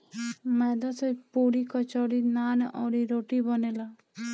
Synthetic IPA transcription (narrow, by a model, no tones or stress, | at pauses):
mɛd̪ɔsɔjpuɾikɔt͡ʃɔɽinanʔɔɾiɾoʈibɔnela